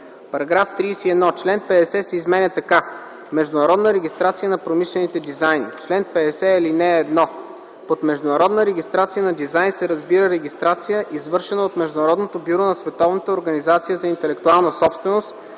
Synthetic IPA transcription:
pɐɾɐɡɾaft̪ɾiːsiɛd̪nɔt͡ʃlɛnpɛd̪ɛsɛsɛizmɛnʲət̪ɐka | mɛʒd̪ʊnɐɾɔd̪nəɾɛɡʲist̪ɾat̪sijənɐpɾomiʃlɛnit̪ɛd̪izajnḭt͡ʃlɛnpɛd̪ɛsɛɛlinɛːd̪nɔ | pot̪mɛʒd̪ʊnɐɾɔd̪nəɾɛɡʲist̪ɾat̪sijənɐd̪izajnsɛɾɐzbiɾəɾɛɡʲist̪ɾat̪sijəʔizvɤɾʃɛnəot̪mɛʒd̪ʊnɐɾɔd̪not̪objuɾonɐsvɛt̪ɔvnət̪əoɾɡɐnizat̪sijəzɐint̪ɛlɛk̚t̪ualˠnəsɔpst̪vɛnost̪

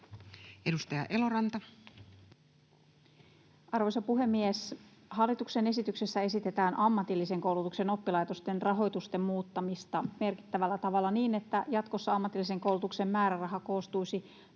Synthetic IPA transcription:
ʔedust̪ɑjɑ̰ʔe̞lo̞ɾɑnt̪ɑ | ɑrʋojsopuɦe̞mːies | hɑlːit̪ukse̞ne̞sit̪ykse̞sːæe̞sit̪e̞t̪æːnɑmːɑt̪ilːise̞ŋko̞uwlut̪ukse̞no̞pːilɑjt̪o̞st̪e̞nrɑɦo̞jt̪ust̪e̞mmuːt̪ːɑmist̪ɑme̞rki̥t̪ːæʋælːæt̪ɑʋɑlːɑniːne̞t̪ːæjɑt̪ko̞sːɑɑmːɑt̪ilːise̞ŋko̞uwlut̪ukse̞mmæːɾærɑɦɑko̞ːst̪ujsi

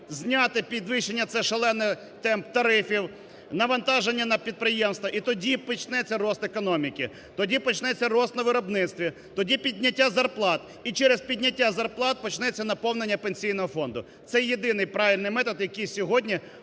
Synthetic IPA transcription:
zʲnʲat̪ɪpʲid̪ʋɪʃːenʲːɐt̪sɛʃelˠɛnːɪ | t̪ɛmp̚t̪ɐɾɪfʲiw | nɐʋɐnt̪ɑʒenʲːɐnɐpʲid̪̚pɾɪjemst̪ʋɐʔit̪ɔdʲipɔt͡ʃnɛt͡sʲːɐɾɔst̪ekɔnɔmʲikʲɪ | t̪ɔdʲipɔt͡ʃnɛt͡sʲːɐrɔst̪nɐʋɪɾɔbnɪt̪st̪ʋʲi | t̪ɔdʲipʲidʲnʲɐtʲːazɐrplˠɑt̪ | it͡ʃɛɾezpʲidʲnʲɐtʲːazɐrplˠɑt̪̚pɔt͡ʃnɛt͡sʲːɐnɐpɔwnenʲːɐpenʲsʲijn̪ɔɦɔfɔnd̪ʊ | t̪sɛjjːed̪ɪnɪjpɾɑʋʲilʲnɪjmɛt̪ɔd̪jɐkʲijsʲɔɦɔdʲnʲi

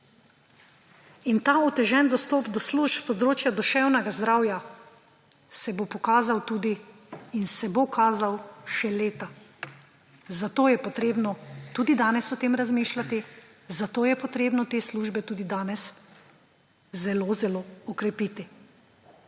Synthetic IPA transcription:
int̪aːut̪ɛʒɛnd̪ɔst̪ɔːpd̪ɔsluʃpspɔd̪ɾoːt͡ʃjad̪ɔʃɛwnɛɡazd̪ɾawja | sɛbopɔkaːzawt̪uːd̪iː | nsɛbokʰaːzawʃɛleːt̪a | zat̪oːjɛpɔt̪ɾeːbnɔt̪uːd̪id̪aːnɛsɔt̪eːmɾazmiːʃlat̪izat̪oːjɛpɔt̪ɾeːbnɔt̪eːsluːʒbɛt̪uːd̪id̪aːnɛs | zɛloːzɛloɔkɾɛpiːt̪i

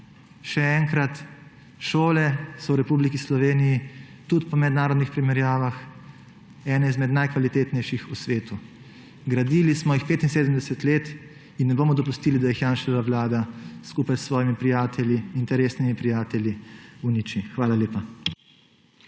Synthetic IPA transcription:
ʃɛɛŋkɾat̪ | ʃoːlɛsɔwɾɛpublikislɔʋeːniji | t̪ut̪pɔmɛd̪naːɾɔd̪nixpɾimɛɾjaːʋax | ɛːnɛizmɛd̪najkʋalit̪eːt̪nɛjʃixusʋeːt̪u | ɡɾad̪ilismɔjixpeːt̪inseːd̪əm̩d̪ɛsɛt̪leːt̪ | inːɛboːmɔd̪ɔpust̪iːlid̪ajixjaːnʃɛʋaʋlaːd̪askuːpajsːʋɔːjimipɾijaːt̪ʰɛljiint̪ɛɾeːsnimipɾijaːt̪ɛlʲjiunit͡ʃixʋaːlaleːpa

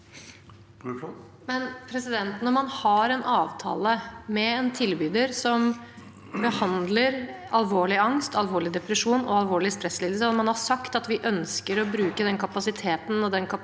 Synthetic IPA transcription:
mɛnpʰɾɛsɪd̪ɛnt̪nɔmɑnhɑɾɛnʔɑːʋt̪ʰɑ̰ːləmɛɛnt̪ʰɪlbyːd̪əɾsɔm | bəhɑnd̪ləɾ | ɑlʋoːɭɪɑŋst̪ɑlʋoːɭɪd̪ɛpɾəʂuːnɔ̰ɑlʋoːɭɪst̪ɾɛsːlɪːlsəɔmɑnhɑsɑkt̪ɑt̪ʋɪʔœnskəɾɔbɾʉːkəd̪ɛnkʰɑpɑsɪt̪ʰeːt̪n̩ɔd̪ɛnkʰɑ

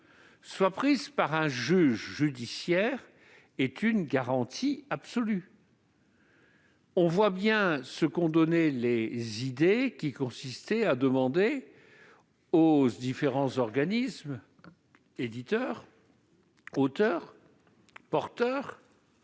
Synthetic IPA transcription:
swapχizpaʁɛ̃ʒyʒʒyd̪isjɛːʁ | ɛt̪ynɡaʁɑ̃t̪ʰiapsɔly | ɔ̃vwabjɛ̃səkɔ̃d̪ɔnɛlezid̪ekʲikɔ̃sist̪ɛad̪əmɑ̃d̪e | od̪ifeʁɑ̃zɔʁɡanism | ed̪it̪œːʁ | ot̪œʁ | pɔʁt̪œːʁ

